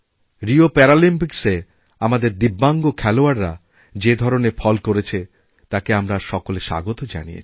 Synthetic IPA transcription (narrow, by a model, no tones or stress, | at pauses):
ɾiopɛɾalimpikse | amad̪eɾd̪ibːaŋɡokʰɛloaɾːa | d͡ʑed̪ʱɔɾonefɔlkoɾet͡ɕʰe | t̪akeamɾaʃɔkoleʃa̰ɡot̪od͡ʑa̰nijḛt͡ɕʰi